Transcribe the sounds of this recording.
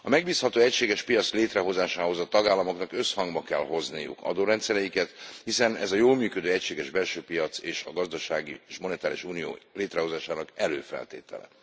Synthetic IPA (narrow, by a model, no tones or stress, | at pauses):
ɒmɛɡ̚biːshɒt̪oːɛcʃeːɡɛʃpijɒt̪sleːt̪rɛɦo̞zaːʃaːɦo̞zɒt̪ɒɡaːlːɒmo̞knɒkø̞shɒŋɡbɒkɛlɦo̞znijṵkɒ̰d̪oːɾɛnt̪sɛɾɛjikɛt̪hisɛnɛ̰zɒjoːlmyːkød̪øːɛcʃeːɡɛʒbɛlʃøːpijɒt̪seːʃɒɡɒzd̪ɒʃaːɡiʃmo̞nɛt̪aːlḭʃuːnijo̰ːleːt̪rɛɦo̞zaːʃaːnɒkɛløːfɛ̰lt̪ḛːt̪ɛ̰lɛ̰